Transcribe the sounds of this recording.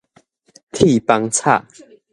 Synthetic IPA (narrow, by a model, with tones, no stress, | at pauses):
t̪ʰi˥˨pa˧ŋt͡sʰa̰˥˨